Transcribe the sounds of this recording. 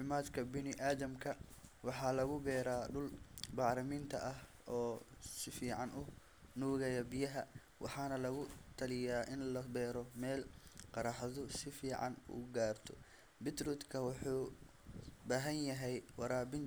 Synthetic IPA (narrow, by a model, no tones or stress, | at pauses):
fɪmaːd̪kʰɐbɪnɪʔaːðɐmkʰɐwɑħɑːlɐɣʊbɛːɾaːɖʊlbɑːɾɐmint̪ʰɐ̰ʔɐh | ɔːsɪfiːʕɑnʊ | nuːɣɛjɐbɪjɐɦɐ | wʔɑ̰ħɑːnɐlɐɣʊt̪ʰɐlɪjaːʔɪnlɐbɛːɾɔmɛːlqɑɾɑːħðʊsɪfiːʕɑ̰nṵːɡaːrt̪ʰɔ̥̰ | bɪt̪ɾuːt̪kʰɐwɑħuː | baːɦɐnjɐɦɛjwɑɾaːbɪn